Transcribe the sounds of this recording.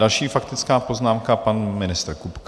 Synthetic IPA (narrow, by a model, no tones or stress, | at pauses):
alʃiːfakt̪ɪt͡skaːpo̞znaːmkapanmɪnɪst̪ɾkupk